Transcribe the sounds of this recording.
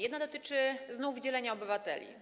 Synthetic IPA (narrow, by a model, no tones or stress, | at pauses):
jɛd̪nad̪ɔt̪ɘt͡ʂɘznuvd͡ʑɛlɛɲaɔbɘvat̪ɛ̰lʲḭ